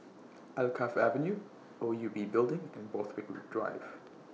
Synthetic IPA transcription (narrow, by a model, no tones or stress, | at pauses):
ælkʰafævə̃njʉ | oʊjubibɪlˠdɪ̃ŋɨ̃nboʊθwiklṵdɹa̰ɪv̥